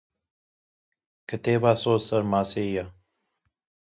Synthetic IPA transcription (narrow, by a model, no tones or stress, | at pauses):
kət̪eːbaːsoːsɐɾmaːseja